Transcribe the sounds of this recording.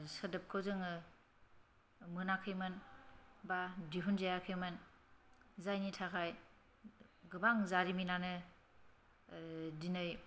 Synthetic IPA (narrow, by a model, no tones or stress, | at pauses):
sədɯp̚kʰɯwzɯŋ | mɯnakʰɯjmɯnbadiɦunzajakʰɯjmɯn | zajnitʰakʰaj | ɡɯbaŋzaɾiminanɯ | dinɯj